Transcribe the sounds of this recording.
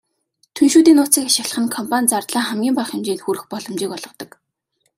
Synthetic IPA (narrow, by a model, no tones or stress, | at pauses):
t̪ʰunʃuːt̪iːnʊːt͡siːkaʃɪ̆ɮə̆χə̆ŋkʰɔmpʰanʲt͡sart̪ɮaːχæmɡʲiːmpaχɪ̆mt͡ɕiːnxuɾɘ̆xpɔɮɞ̆mt͡ɕiːkɔɮʁɞ̆t̪ɞ̆k